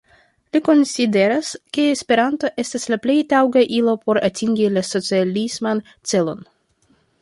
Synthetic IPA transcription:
liko̞nside̞ɾaske̞ːspe̞ɾanto̞ʔe̞staslaple̞jtawɡaʔilo̞po̞ɾatiŋɡilaso̞t͡sialisman | t͡se̞lo̞n

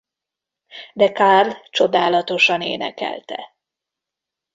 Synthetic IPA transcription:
d̪ɛkarlt͡ʃo̞d̪aːlɒt̪o̞ʃɒnḛːnɛ̰kɛ̰lt̪ɛ̰

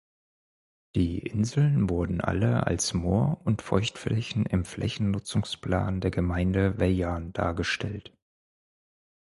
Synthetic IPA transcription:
d̥iːʔɪnzl̩nvʊɐdn̩ʔa̰ləa̰lsmoːɐʊntfɔɪçtflɛçn̩ɪmflʔɛ̰çn̩nʊt͡sʊŋspl̥a̰ːndeːɐɡəmaɪndəvɛjaːnd̥a̰ːɐɡəʃtʰɛlt

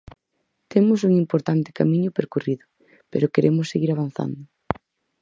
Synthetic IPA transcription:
t̪emʊsuŋimpoɾt̪ant̪ɪ̥kamĩɲʊpeɾkuriðʊ | pḛɾʊkeɾʔemʊsːeɣiɾaβ̞an̟θa̰nd̪ʊ

